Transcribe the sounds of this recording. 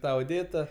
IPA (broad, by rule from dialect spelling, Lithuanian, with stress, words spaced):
ˈtɑː oːˈdʲeːtɐ